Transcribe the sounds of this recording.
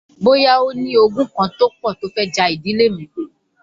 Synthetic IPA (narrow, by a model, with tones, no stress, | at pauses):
bo˦ja˦o˦nĩ˦o˧ɡũ˦kã˧to˦k͡pɔ˦˨to˨˦fɛ˦d͡ʒa˧i˨di˨˦le˦mĩ˨˦